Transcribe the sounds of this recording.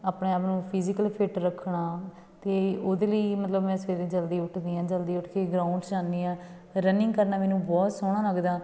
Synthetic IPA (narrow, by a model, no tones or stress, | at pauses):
aːpɳeːaːpnũːpʰɪːzɪkəlpʰɪʈɾəkʰːɳaː | t̪eːoːd̪eːləiːmət̪ləbmɛ̃ːsʋeːled͡ʒəld̪iːʊʈʰd̪iːãːd͡ʒəld̪iːʊʈʰkeːɡɾaːʊɳɖsd͡ʒaːnd̪iːãː | ɾənɪ̃ŋɡkəɾnaːmɛːnũːbɔːt̪soːɽ̃ãːləɡd̪aː